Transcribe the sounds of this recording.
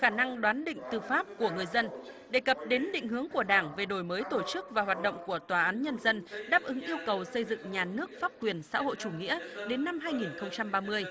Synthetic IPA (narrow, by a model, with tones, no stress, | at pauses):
xaː˧˩na˧ŋɗwaː˨˦nɗḭ̈˧˨ŋ̟t̪ɨ˨˩faː˦˥p̚ku˧˩əŋɨ˨˩əjzə˧nɗe˧˨˩kə˨˩p̚ɗe˨˦nɗḭ̈˧˨ŋ̟ɦɨ˨˦əŋku˧˩əɗaː˧˩ŋve˨˩ɗo˨˩jməː˨˦jt̪o˧˩t͡ɕɨ˦˥k̚vaː˨˩ɦwaː˨˩t̚ɗo̰˧˨wŋ͡mku˧˩ət̪waː˨˩ʔaː˨˦nɲə˧nzə˧nɗaː˦˥p̚ʔɨ˨˦ŋʔi˧əwkə˨˩wsə˧jzɨ̰˧˨ŋɲaː˨˩nɨ˦˥ək̚faː˦˥p̚kwi˨˩ənsa̰ː˧˥ho̰˧˨jt͡ɕu˧˩ŋḭ˧˥əɗe˨˦nːa˧mɦaː˧jŋi˨˩nxə˧wŋ͡mt͡ɕa˧mɓaː˧mɨ˧əj